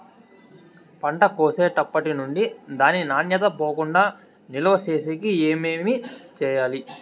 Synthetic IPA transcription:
pɐɳʈɐkoːseːʈɐpːɐʈinuɳɖid̪aːnːinaːnjɐt̪̬ɐpoːkuɳɖaː | nilɐʋɐseːseːkieːmeːmit͡ʃɛːjaːli

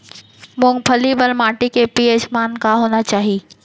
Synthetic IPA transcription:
mʊ̃ŋ̚pʰəlibəlmaːʈikepiːeːd͡ʒmaːnkaɦoːnat͡ʃaːɦi

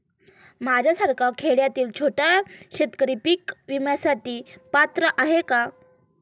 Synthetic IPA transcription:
m̤ad͡ʑʱasaɾkʰakʰeɭjat̪iːlt͡ɕʰoʈaɕet̪kəɾipikʋimasat̪iːpat̪ɾəʔaɦeka

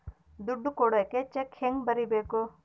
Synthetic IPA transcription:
d̪uɖːukoːɽɐket͡ʃekʰːeŋɡbɐɾibeːko

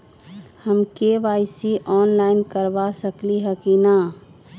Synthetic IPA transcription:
həmkeʋaːɪsiʔɔːnlaːɪnkəɾbasəkliɦɛkina

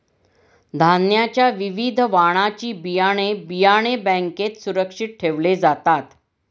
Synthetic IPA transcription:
d̪ʱanjat͡ɕjaʋiʋid̪ʱʋaɽ̃at͡ɕiːbijaɽ̃ebijaɽ̃ebɛ̃ŋket̪suɾəkʂiʈ̪̚ʈʰeʋled͡zat̪at̪

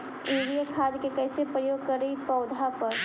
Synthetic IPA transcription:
eːɾijakʰaːd̪kekɛːsepɾəjoːɡ̚kɐɾːəipɐʊd̪ʱapɐɾ

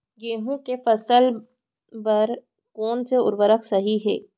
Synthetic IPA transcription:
ɡeːɦũkefɐsəl | bɐɾ | kɔːnseʊ̰ɾʋəɾəksɐɦiɦɛ̰ː

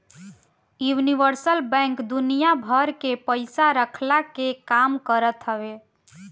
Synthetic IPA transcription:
juniʋəɾsəlbɛ̃ŋkd̪unijabʱəɾkepəɪsaɾəkʰlakekamkəɾət̪ɦəbe

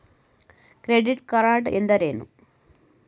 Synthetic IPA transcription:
kɾeɖiʈːkɐraːɖɨʔend̪ɐɾeːnṵ

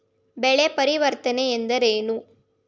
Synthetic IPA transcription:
bɛɭepɐɾɪʋɐɾt̪ɐneɛnd̪ɐɾeːnu

